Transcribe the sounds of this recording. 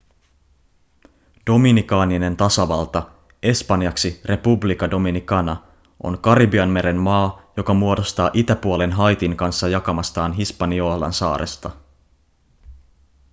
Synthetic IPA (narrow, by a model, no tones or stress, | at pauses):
d̥o̞minikɑːnine̞nt̪ɑsɑʋɑlt̪ɑ | e̞spɑnjɑksirʔe̞publikɑdo̞minikɑnɑ | ʔo̞̰ŋkɑribiɑnme̞ɾe̞nmɑːjo̞kɑmuo̞do̞st̪ɑːʔit̪æpuole̞nɦɑjt̪iŋkɑnsːɑjɑkɑmɑst̪ɑːnɦispɑnio̞hlɑ̰nsɑ̰ːɾḛst̪ɑ